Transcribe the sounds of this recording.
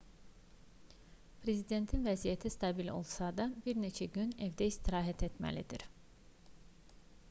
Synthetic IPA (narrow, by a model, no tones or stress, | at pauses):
pʰɾe̞zid̪e̞nt̪ʰinvæzijæt̪ʰist̪ʰɑbilo̞̰lˠsɑd̪ɑbiɾne̞t͡ʃʰæɟynevd̪ɛist̪ʰiɾɑːɦæt̪ʰe̞t̪mæ̰lid̪iɾ̥